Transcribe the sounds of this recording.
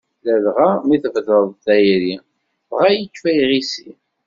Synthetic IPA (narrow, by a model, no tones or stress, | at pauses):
lælʁamiθəvðəðˤθæjɾi | vʁajəkːfæjʁisi